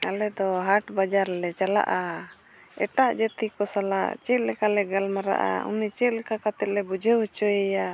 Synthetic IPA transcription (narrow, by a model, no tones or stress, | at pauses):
alɛd̪ɔɦaʈbad͡ʒaɾlɛt͡ʃala̰ʔa | ɛ̰ʈaʔd͡ʒɛt̪ikɔsala̰ʔt͡ʃɛt̪̚lɛkalɛɡalmaɾa̰ʔa̰ṵnit͡ʃɛlɛkakat̪ɛt̪̚lɛbud͡ʒəwɛt͡ʃɔjɛja